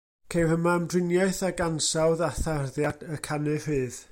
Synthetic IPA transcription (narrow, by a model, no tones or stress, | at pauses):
kʰejhəmamdrɪnjaɨθaɡansawðaθarðjadəkʰanɨrɨːð̥